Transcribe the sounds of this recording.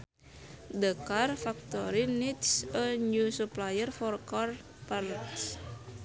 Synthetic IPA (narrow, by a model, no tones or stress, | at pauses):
dəkarfak̚t̪ɔɾinit̪səɲusuplajərfɔrkɔr | pərts